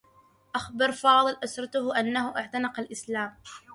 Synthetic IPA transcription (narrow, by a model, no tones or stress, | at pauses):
ʔaxbɑɾˤfɑːðˤɨlʔasɾˤɑt̪ʊhʔanːahʊʔaʕt̪anɑqɑlʔɪslaːm